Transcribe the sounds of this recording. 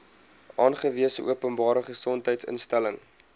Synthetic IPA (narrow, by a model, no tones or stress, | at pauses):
ʔɑːnχəviəsəʔṵəpənbɑːɾəχəsɔntɦəjtsə̰nstæləŋ